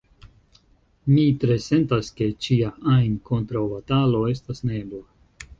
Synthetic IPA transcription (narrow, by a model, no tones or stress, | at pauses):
mitɾe̞se̞ntaske̞t͡ʃiaʔajnko̞ntɾawbatalo̞e̞stasne̞ba